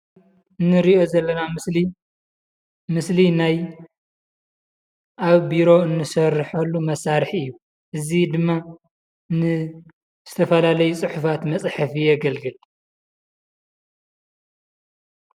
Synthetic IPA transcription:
ʔɨnːɨɾiʔo̞zɐlːɐnamɨsli | mɨslinaj | ʔaβbiɾo̞ɨnːɨsɐɾɨħɐlːumɐsːaɾħiɨjːu | ʔɨzid̪ɨmːa | nɨ | z̥ɨt̪ʰɐfɐlalɐjut͡sʼɨħufat̪mɐt͡sʼħɨfijɛɡɐlɡɨl

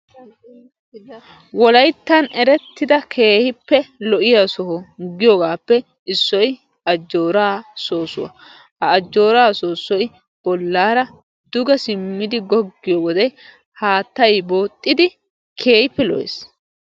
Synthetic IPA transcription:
wɔlɐjt̪ːɐnɛɾɛt̪ːɪd̪ɐkʰe̞ːhɪpːɛlɔʔɪjasɔɦɔɡɪjɔɡaːpːɛ | ɪsːɔj | ɐd͡ʒːo̞ːɾaːso̞ːsʊ̰wɐ̰ | hɐːd͡ʒːo̞ːɾaːso̞ːsːɔj | b̥ɔlːaːɾɐ | d̪̥ʊɡɐsɪmːɪd̪ɪɡɔɡːɪjɔwɔd̪ɛ | haːt̪ːɐjbo̞ːt̪ʼːɪd̪ɪ | kʰe̞ːhɪpːɛlɔ̰ʔḛs

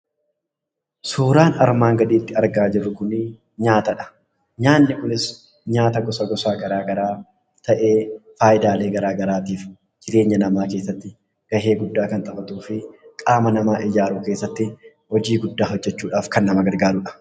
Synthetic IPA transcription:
suːɾaːnɐ̰ɾmaːŋɡɐd̪iːt̪ːɪɐɾɡaːd͡ʒɪrːʊkʊnɪ | ɲaːt̪ɐᶑɐ̥ | ɲaːnːɪkʊnɪs | ɲaːt̪ɐɡɔsɐɡɔsaːɡɐɾaːɡɐɾaː | t̪ɐʔe̞ːfaːjɪd̪aːle̞ːɡɐɾaːɡɐɾaːt̪iːf | d͡ʒɪɾe̞ːɲːɐnɐmaːke̞ːsːɐt̪ːɪ | ɡ̥ɐɦe̞ːɡʊd̪ːaːkɐnt̪ʼɐkʼɐt̪uːfɪkʼaːmɐnɐmaːʔɪd͡ʒaːɾuːke̞ːsːɐt̪ːɪ | hɔd͡ʒiːɡʊd̪ːaːɦɔd͡ʒːɛt͡ʃːuːᶑaːfkɐnːɐmɐɡɐɾɡaːɾʊᶑɐ̥

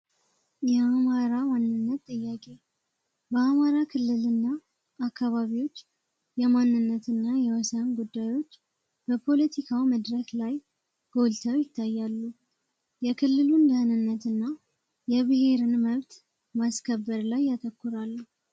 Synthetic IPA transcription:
jɛamaɾamanːɨnːət̪ːʼɨjːakʼe̞ | bəamaɾakʰɨlːɨlɨnːa | akːaβaβiwo̞t͡ʃː | jɛmanːɨnːət̪ɨnːajɛwəsənɡud̪ːajwo̞t͡ʃː | b̥əpʰo̞lət̪ʰikʰawməd̪ɾəklaj | ɡ̥o̞lt̪ʰəwjɪt̪ʰːajːalːu | jɛkʰɨlːɨlund̪əhnɨnːət̪ɨnːa | jɛβɨhe̞ɾɨnməβt̪ | maskʰəbːəɾlajːat̪ʰəkːuɾalːu

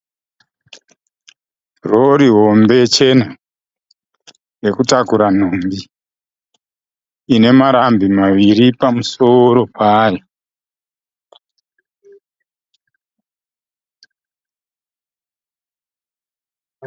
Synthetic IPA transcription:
roɾiɦo̞mbe̞t͡ʃe̞na | re̞kutakuɾan̤ombi | ne̞maɾambimaʋiɾipamuso̞ɾo̞pʰaːjo

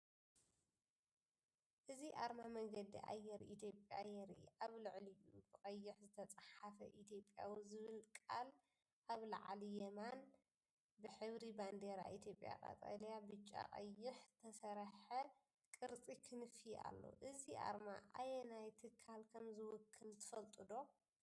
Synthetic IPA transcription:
ʔɨziʔaɾmamɐɡɐd̪ḭʔa̰jɛɾit̪ʰjo̞pʼjajɛɾiʔaβlɨʕlɨjubɨkʼɐjːɪħzɨt̪ʰɐt͡sʼɐħafɐ̰ʔit̪ʰjo̞pʼja̰wizɨβɨlkʼal | ʔaβlɐʕalijɛman | bɨħɨβɾiband̪eɾa̰ʔit̪ʰjo̞pʼja̰kʼa̰t̪ʼa̰ljabɨt͡ʃʼːa̰qʼɐ̰jːɪħz̥ɨt̪ʰɐsɐɾħɐ | kʼɨɾt͡sʼikʰɨnɨfia̰lːo̰ʔɨziʔa̰ɾmaʔajɛnajt̪ʰɨkʰːalkʰɐmzɨwʊkʰːɨlt̪ʰɨ̥fɐlt̪ʼɨd̪o̞

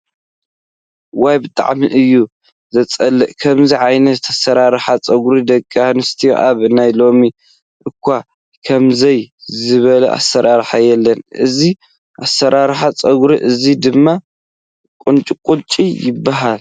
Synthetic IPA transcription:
wajbɨt̪ʼa̰ʕmiʔɨjːu | zɐt͡sʼɐlːɨʔkʰɐmziʕajnɐt̪ʰasɐɾaɾħat͡sʼɐɡɾid̪ɐkʼːianɨst̪ʰijo̰ʔaβnajlo̞mi | ʔɨkʰʷːa | kʰɐmzɐjzɨβɐlɐ̰ʔa̰sɐɾʔaɾħajɛlːɐnʔɨzi | ʔasːɐɾaɾħat͡sʼɐɡɾiʔɨzid̪ɨmːa | kʼunt͡ʃʼikʼut͡ʃʼijɪbːaɦal

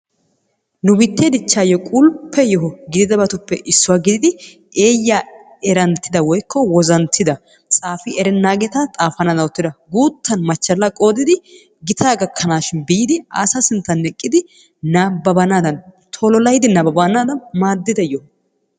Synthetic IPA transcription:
nʊbɪt̪ːed̪ɪt͡ʃːaːjɔkʼʊlpʰːɛjɔɦɔɡɪd̪ɪd̪ɐbɐt̪ʊpːɛʔɪsːʊwaːɡɪd̪ɪd̪ɪ | e̞ːjːa | ɛɾɐnt̪ːɪd̪ɐwɔjkʰːɔwɔzɐnt̪ʰːɪd̪ɐ | t͡sʼaːfɪɛɾɛnːaːɡɛt̪ɐt̪ʼaːfɐnaːd̪ɐnɔt̪ːɪd̪ɐɡuːt̪ːɐnmɐt͡ʃːɐlːɐkʼo̞ːd̪ɪd̪ɪ | ɡɪt̪ʰaːɡɐkʰːɐnaːʃɪnbɪjɪd̪ɪa̰ːsɐsɪnt̪ːɐnːɛkʼːɪd̪ɪ | naːbːɐbɐnaːd̪ɐn | t̪ʰɔlɔlɐjd̪ɪnɐbɐbanaːd̪ɐnmaːd̪ːɪd̪ɐjɔhɔ

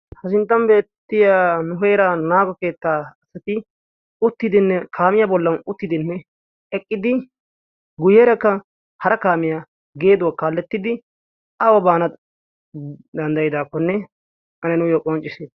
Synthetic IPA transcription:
hɐsɪnt̪ːɐmbe̞ːt̪ːɪjaːnʊɦɛjɾanaːɡɔke̞ːt̪ːaːɐsɐt̪ɪ | ʊt̪ːɪd̪ɪnːɛkʰaːmɪjabɔlːɐnʊt̪ːɪd̪ɪnːɛ | ɛkʼːɪd̪ɪ | ɡʊjɛːɾɐkːɐ | hɐɾɐkaːmɪja | ɡe̞ːd̪ʊwakaːlːɛt̪ːɪd̪ɪ | ɐwɔbaːnɐ | d̪ɐnd̪ɐjɪd̪aːkːɔnːɛ | ʔɐnɛnʊjokʼɔnt͡ʃʼɪseː

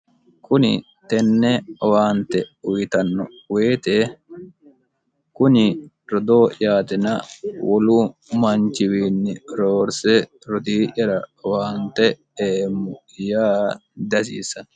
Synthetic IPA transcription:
kʊnɪ̰ | t̪ɛnːɛwaːnt̪ɛʊjɪt̪ɐnːɔ | weːt̪e | kʊnɪ | ɾɔd̪oːʔɪ̰jaːt̪ɪnɐ̰wɔluːmɐnt͡ʃɪwiːnːɪɾoːɾsɛ | ɾɔd̪iːʔɐɾɐwaːnt̪ɛ | eːmːʊ | jaːd̪ɐsḭːsɐn

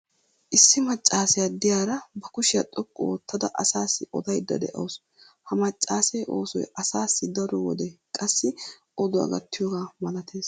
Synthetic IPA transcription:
ʔɪsːɪmɐt͡ʃʼːaːsɪjad̪ɪjaːɾɐbɐkʊʃɪjɐt̪ʼɔkʼːɔ̰wɔt̪ʰːɐd̪ɐʔɐsaːsːɪʔɔ̰d̪ɐjd̪ːɐ̰d̪ɛ̰ʔɐ̰ws | hɐmɐt͡ʃʼːaːsɛjʔo̞̰ːsɔ̰jɐsaːsːɪd̪ɐɾɔwɔ̰d̪ɛkʼɐsːɪʔɔd̪ɔɐ̰ɡɐt̪ːɪjoːɡaːmɐlɐt̪ʰe̞ːs

